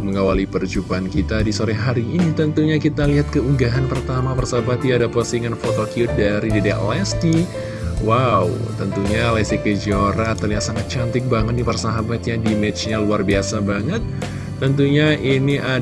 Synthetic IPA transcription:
məŋawalipərd͡ʒupaːnkit̪adisoɾɛɦaɾiːnit̪ənt̪uɲakit̪aliɦat̪̚kəuɡaɦanpərt̪amapərsaabat̪iadapəsiŋanfot̪okjut̪̚daɾidedɛʔlɛst̪i | wawt̪ənt̪uɲalɛsikəd͡ʒioɾat̪ərliɦat̪saŋat̪̚t͡ʃant̪ɪk̚baŋət̪̚dipərsaɦabat̪jaŋdimet͡ʃɲaluarbiasabaŋət̪ː | ənt̪uɲaʔiniʔa

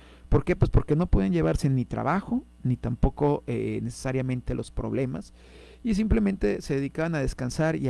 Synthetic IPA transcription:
po̞ɾke̞pwe̞spo̞ɾke̞no̞poðianʝe̞β̞aɾse̞nit̪ɾa̰βaxo̞ | nit̪ampo̞ko̞ene̞se̥saɾjamẽ̞nt̪e̞lʔo̞spɾo̞̰βle̞mas | is̬imple̞ment̪e̞se̞ðeðikaβanaðe̞skansaɾi

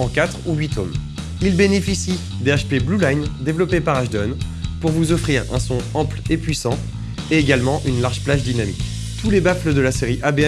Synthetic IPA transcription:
ɑ̃kat̪χuɥit̪ɔm | ilbenefisi | d̪eaʃpeblulajnd̪evlɔpepaʁaʒd̪ɔn | puʁvuzɔfχiʁɛ̰̃sɔ̃ɑ̃plepɥisɑ̃ | eeɡalmɑ̃ʔynlaʁʒplaʒd̪inamḭkʲ | t̪ulebafləd̪əlaseʁiʔabeɛ

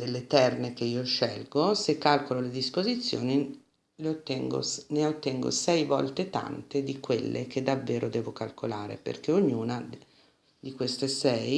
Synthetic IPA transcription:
d̪elːet̪ɛrnek̟eiːoʃɛlɡosekːalkololed̪ispozit̪sːjo̰ːni | leot̪ːɛŋɡo̰neot̪ːɛŋɡo̰sɛjvɔ̰lt̪et̪a̰nt̪ed̪ikwelːḛk̟ed̪ːavːeːɾʔod̪ɛːvokalkolaːɾḛpḛrk̟eoɲːuːna | d̪ikwest̪esɛj

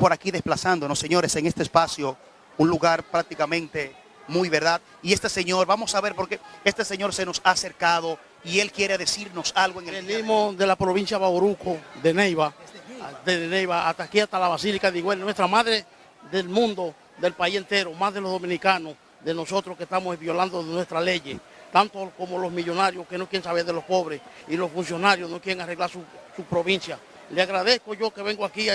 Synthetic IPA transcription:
po̞ɾakiðe̞splasand̪o̞no̞sːe̞ɲo̞ɾe̞seŋe̞st̪espasjo̞ | unluɣaɾpɾak̚t̪ikamẽnt̪e̞ | mujβe̞ɾðað | ie̞st̪e̞se̞ɲo̞ɾβamo̞saβe̞ɾpo̞ɾkee̞st̪eseɲo̞ɾse̞no̞saːse̞ɾkaðo̞ | ie̞lkje̞ɾeðe̞siɾno̞salɣoeŋeenimosðe̞lapɾoβinsjaβaoɾukoðenejβa | ðeðenejβaat̪akiast̪alaβasilikaðiɣoelnwe̞st̪ɾamaðɾe | ðelmũnd̪o | ðe̞lpaise̞nt̪e̞ɾomazðelozðo̞mĩnikanos | ðeno̞so̞t̪ɾoskest̪amosβjo̞land̪oðenwe̞st̪ɾale̞ʝe | t̪ant̪okomolosmiʝo̞naɾjoske̞nokjeɾeŋsaβeɾðelo̞spo̞βɾes | ilosfuns̬jo̞naɾjosnokjeɾeŋare̞ɣlaɾsusupɾoβĩnsja | leaɣɾaðeskoʝo̞ke̞βe̞ŋɡoaki

